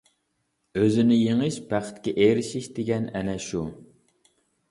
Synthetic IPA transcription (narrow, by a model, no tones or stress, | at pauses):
øzɪnɪjeŋɨʃbæχə̥t̪kʲɛʔeɾɪʃiʃd̪eɡʲɛnɛnɛʃu